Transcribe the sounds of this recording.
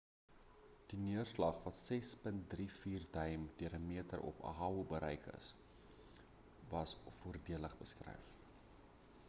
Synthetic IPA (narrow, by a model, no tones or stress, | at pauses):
d̥iniərslɐχvɐtsɛspənt̚drifiːrdɐjmd̥iəɾəmiətəɾʔɔ̰pə̰ɦɑubəɾʔəjkə̰s | vɐsfuərdiələχbəskrɛ̰jf